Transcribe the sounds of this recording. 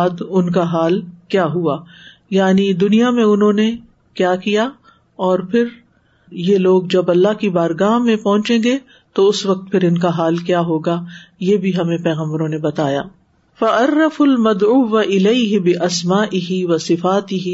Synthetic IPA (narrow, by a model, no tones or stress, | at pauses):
ad̪ʊnk̬aɦaːlkjaːɦuaːjaːnid̪ʊnijamẽʊnɦõːne | kjaːkijaː | ɔːɾpʰɪɾ | jeːloːɡd͡ʒɐbɐlːaɦkibaːɾɡaːɦmẽpɐɦʊ̃t͡ʃẽːɡe | t̪oʊsʋɐk̚t̪pʰɪɾɪnkaɦaːlkjaːɦoːɡajeːbʱiɦɐmẽpɛːɣə̃mbɾõnebɐt̪aːja̰ː | fɐʔɐɾːɐfʊlmɐd̪ʕuːʋaʔɪleɪɦɪbɪʔɐsmaːʔɪɦiʋɐsɪfaːt̪ɪɦi